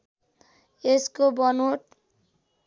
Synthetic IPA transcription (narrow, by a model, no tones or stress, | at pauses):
eskobʌnoʈ